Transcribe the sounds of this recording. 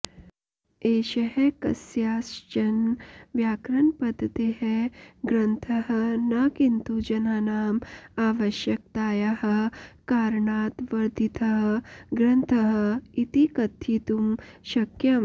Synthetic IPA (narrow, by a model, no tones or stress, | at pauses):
eːʃɐɦekɐ̰sjaːst͡ʃɐnʋjaːkɾɐɳpɐd̪ʱːt̪eɦeɡɾɐnt̪ʰɐɦɐnɐkint̪ud͡ʒɐnaːnaːmaːʋɐʃjɐk̚t̪aːjɐhɐ̆kaːɾɳaːt̪ʋɐɾd̪ʱit̪ʰɐɦɐɡɾɐnt̪ʰɐɦɐ̆it̪ikɐt̪ʰiːt̪umʃɐkjɐm